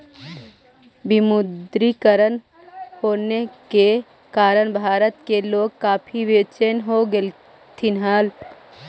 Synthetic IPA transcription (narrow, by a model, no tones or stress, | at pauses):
bɪmʊd̪ɾikəɾən | hoːneke | kaːɾəɽbʱaːɾət̪keloːɡ̚kaːpʰiʋeːt͡ʃenɦoɡel | t̪ɪnɦaːl